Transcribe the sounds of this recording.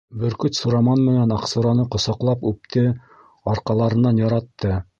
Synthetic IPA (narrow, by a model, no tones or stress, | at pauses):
bɵ̆ɾkɵt̪suɾɑmɑnmɘ̆nænɑqsuɾɑnɤqŏsɑqlˠɑpʉp̚t̪ʰɘ | ɑɾqɑlˠɑɾɤ̆nːɑnjɑɾɑt̪ːɤ